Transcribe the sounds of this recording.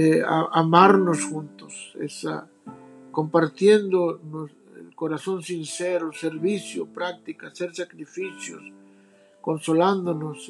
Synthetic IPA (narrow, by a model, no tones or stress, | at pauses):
ea̰amaɾnosxunt̪osḛsa̰ | ko̞mpaɾt̪jend̪onos | ḛlkoɾaso̞nsinseɾoseɾβisjopɾak̚t̪ikaseɾsakɾifisjo̰s | ko̞nsoland̪onos